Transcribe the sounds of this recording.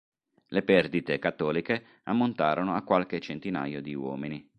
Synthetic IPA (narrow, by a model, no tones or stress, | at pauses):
lepɛrd̪it̪ekat̪ːɔːlike | amːont̪aːɾonoakːwalket͡ʃːent̪ina̰ːjod̪iwɔ̰ːmini